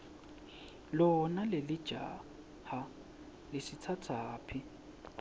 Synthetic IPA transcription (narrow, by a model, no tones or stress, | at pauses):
lɔnalɪlɪd̥ʒ̥ʱa̰ː | ha | lɪsɪt͡sʰat͡sʰaːpʰi